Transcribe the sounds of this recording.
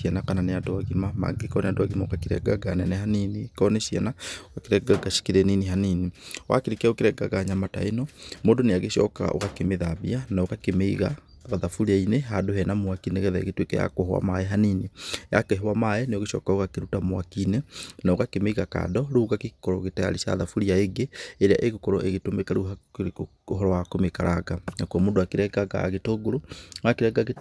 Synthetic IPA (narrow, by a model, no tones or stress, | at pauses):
ianakananeadoaɣimama̰ɡekɔneadowaɣimaokakiɾɛ̰ɡaɡananɛɦaninikɔneʃia̰naɣakeɾɛɡaɡaʃi̥keɾɛniniɦaniniwa̰keɾikɛokeɾɛɡaɡaɲamata̰enɔmoːndoneaɣeʃɔ̰ka̰o̰ɣakemeðaβḭanaoɣakemeiɣa̰ | ɣaðafuɾiaineɦadoɦɛnamwakinɛɣɛðaḛɣetwekɛ̰ja̰koɦwa̰maɛɦaninija̰keɦwamaɛneoɣeʃɔ̰kaoɣakeɾutamwakinenaoɣakemeiɣaka̰dɔɾuːɣakekɔɾɔɣetɛa̰ɾiʃa̰ðafuɾiaeɡeeɾea̰ʔeɣokɔɾɔʔeɣetomekaɾua | oɦɔɾɔwakomekaɾʔaɡanakuamoːdoakeɾɛɡaɡa̰ɣetoɡoɾoakeɾɛɡaɣe